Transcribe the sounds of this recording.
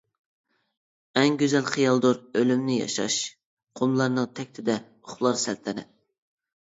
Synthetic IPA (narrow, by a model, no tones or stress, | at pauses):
ɛŋɡʲøzɛlχijɑlˠd̪oɾølymnɪjɑ̰ʃɑ̰ʃ | qʰomlˠɑɾnɨŋt̪ʰɛk̚ʲt̪ʰɪd̪ɛ | oχlˠɑɾsɛlt̪ʰɛnɪ̰